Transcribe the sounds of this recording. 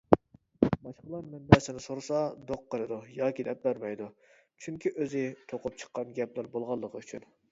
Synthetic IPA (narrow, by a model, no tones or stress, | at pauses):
bɑʃqəlˠɑɾmɛmbɛsɪnɪsoɾsɑd̪oqːəɾɨd̪ujɑːkʲid̪ɛp̚bæɾmɛjd̪u | t͡ʃʰyŋkʲʰiʔøzɪt̪ʰoqʊp̚t͡ʃʰə̥qːɑnɡʲɛplæɾbolˠʁɑlˠːəqʰəyt͡ʃʰyn